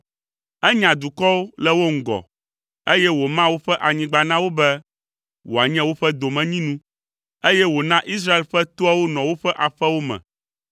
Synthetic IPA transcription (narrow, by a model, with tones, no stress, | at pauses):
ɛ˦ɲã˨d̪u˨kɔ˦wo˦lɛ˦wo˦ŋ̩˨ɡɔ̰˨ | e˦jɛ˦wo˨mã˦wo˦ɸɛ˦ʔa˨ɲĩ˦ɡ͡ba˨nã˦wo˦bɛ˦ | wo˨a˨ɲɛ̃˦wo˦ɸɛ˦d̪o˨mɛ̃˨ɲĩ˦nũ˦ | e˦jɛ˦wo˨nã˦ʔi˦s̬ɾa˦e˨lɸɛ˦t̪o˦a˦wo˦nɔ̃˨wo˦ɸɛ˦ʔa˨ɸɛ˦wo˦mɛ̰̃˨